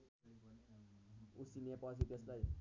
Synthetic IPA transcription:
usinepʌs̬it̪eslaj

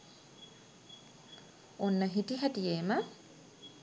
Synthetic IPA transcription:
onːəɦitiɦaʈieːmə

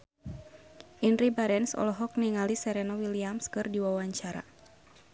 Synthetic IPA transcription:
ʔinribaɾɛnsɔ̰lɔɦɔk̚niŋalisɛɾɛnɔwiliamskɨrdiwawaɲt͡ʃaɾa̰

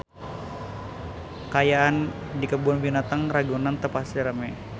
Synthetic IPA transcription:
kajaːn | dikəbʊnbinat̪aŋraɡunant̪əpasiɾəmɛ

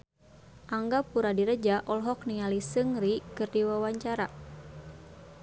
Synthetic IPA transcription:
ʔaŋɡapuɾadiɾəd͡ʒaʔɔlɦɔk̚nialisɨŋrikɨrdiwawaɲt͡ʃaɾa

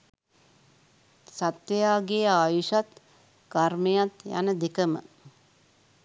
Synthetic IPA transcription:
sat̪jəjaːɡeːaːjuʃat̪ | karmejat̪ja̰nəd̪ekəmə̰

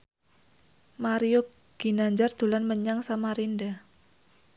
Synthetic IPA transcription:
maɾio | ɡ̥i̤naɲd͡ʒard̪̥ṳlanməɲaŋsamaɾinda

